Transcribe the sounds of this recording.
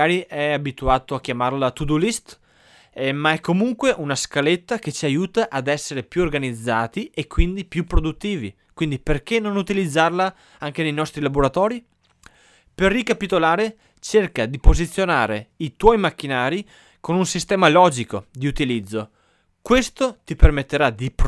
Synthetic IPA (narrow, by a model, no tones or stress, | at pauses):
aːɾiʔɛabit̪uaːt̪oak̟jamarlat̪ud̪ulist̪ | maɛkːomuŋkweʔunaskalet̪ːaket͡ʃiajuːt̪aʔad̪ɛsːeɾepjuorɡanid̪zːaːt̪iekːwind̪ipjupːɾod̪ut̪ːiːvḭ | kwind̪iperk̟enːonut̪ilid̪zːarla | aŋk̟enejnɔst̪ɾilaboɾat̪ɔːɾi | perːikapit̪olaːɾe | t͡ʃerkad̪ipozit̪sːjonaːɾeit̪wɔjmakːinaːɾi | konunsist̪ɛːmalɔːd͡ʒikod̪iut̪ilid̪zːo | kwest̪ot̪ipermet̪ːeɾad̪ip